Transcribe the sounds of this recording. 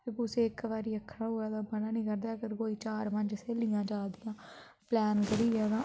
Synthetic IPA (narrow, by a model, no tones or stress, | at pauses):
ekʊseːɪkʋaːɾiːəkʰːɾaːɦoːɛːd̪aːbənaːnĩːkəɾd̪aːkəɾkoːiːt͡ʃaːɾməɲd͡ʒseːliːãːd͡ʒaːd̪ijãː | plɛːnɡəɾiːɛːd̪ãː